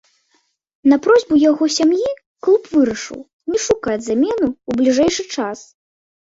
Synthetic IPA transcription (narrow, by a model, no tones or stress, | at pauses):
nɐpɾɔzʲbujaɣɔsʲamji | klˠupvɨɾɐʂɨ̰w | nʲɛʂukad͡zʲzamʲɛnuublʲiʐɛjʂɨt͡ʂas